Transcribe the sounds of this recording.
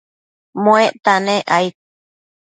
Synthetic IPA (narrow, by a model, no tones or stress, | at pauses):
mõeʔt̪anẽʔajt̪̚